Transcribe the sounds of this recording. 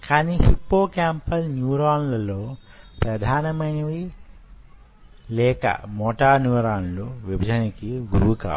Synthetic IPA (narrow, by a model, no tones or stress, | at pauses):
kʰaːnihipːoːkaːmpɐlnjuːɾaːnlɐlo̞ːpɾɐd̪ʱaːnɐmɐjnɐʋi | lɛːkɐ̰mɔːʈaːnuʋɾaːnluʋibʱɐd͡ʒɐnɐkiɡuɾuːka̰ː